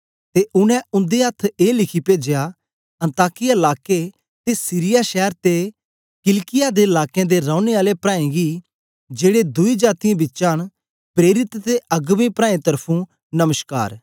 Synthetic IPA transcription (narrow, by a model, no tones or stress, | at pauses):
t̪eʔʊnɛ̃ʊ̃nd̪eɐt̪ʰeːlɪkʰipeːd͡ʒeja | ɐ̃nt̪aːkɪjaɪlaːke | t̪esiɾɪjaʃɛːɾt̪e | kɪlkɪjaːd̪eɪlaːkjẽd̪eɾãːʊneaːlepɾãːĩɡi | d͡ʒeːɽed̪ʊid͡ʒaːt̪ijãbɪtːʃãːn | pɾeːɾɪt̪t̪eɐɡʋẽpɾaːẽt̪ɐɾpʰũ | nɐməska̰ːɾ